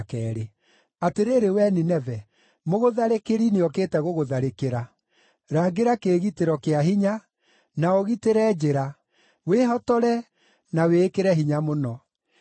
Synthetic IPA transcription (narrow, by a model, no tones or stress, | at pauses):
kɛɾe | ateɾeɾewɛninɛvɛ | moɣoðaɾekeɾineɔkeːtɛɣoɣoðaɾekeɾa | ɾaːɡeɾakeːɣiteɾɔkeahiɲa | naoɣiteɾɛd͡ʑeɾa | weːɦɔtɔɾɛ | naweːkeɾɛɦiɲamonɔ